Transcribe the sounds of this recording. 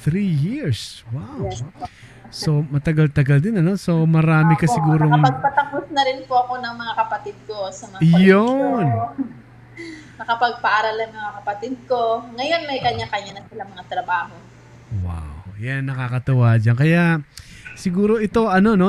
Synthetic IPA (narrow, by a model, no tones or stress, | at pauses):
θɾijiɹswaw | so̞mɐt̪ɐɡalt̪ɐɡɐld̪ɪnɐno̞so̞mɐɾaːmɪkɐsɪɡuːɾoŋɐɡ̚pɐt̪ɐposnɐɾɪnpoɐko̞nɐŋmɐŋakɐpɐt̪ɪd̪̚kosɐmɐŋjon | nɐkɐpɐɡ̚pɐʔaɾɐlɐŋmɐŋakɐpɐt̪ɪd̪̚ko̞ŋɐjo̞nmɐjkɐɲːakɐɲanɐsɪlaŋmɐŋat̪ɾɐbaːho̞ | wa̰wjanːɐkakɐt̪ɐwad͡ʒankɐja | sɪɡuːɾo̞ʔɪt̪o̞ʔɐno̞no̞